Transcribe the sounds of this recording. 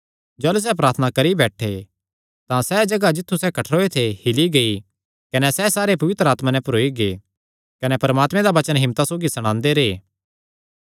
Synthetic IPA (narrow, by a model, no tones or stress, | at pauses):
d͡ʒaːlus̬ɛpɾaːɾt̪ʰənakɐɾibɛːʈʰe | t̪ãsɛd͡ʒɐɡad͡ʒɪt̪ʰːusɛkɐʈʰɾoːet̪ʰehɪliɡɐi | kɐnɛsɛsaːɾepɐʋɪt̪ɾəaːt̪mãnɛ̃pʊɾoːiɡe | kɐnɛpɐɾmaːt̪mẽd̪aʋɐt͡ʃənɦɪ̃mt̪asoːɡisɐɽ̃ãːnd̪eɾeː